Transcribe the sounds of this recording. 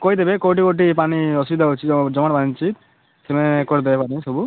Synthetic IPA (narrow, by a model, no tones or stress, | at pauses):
kojd̪ebekoʈ̬ikoʈ̬ipaniɔsubid̪ʱaot͡ʃʰid͡ʒɔmaɽpanit͡ʃit̪̚ | semenekoɾd̪ebepanisɔbu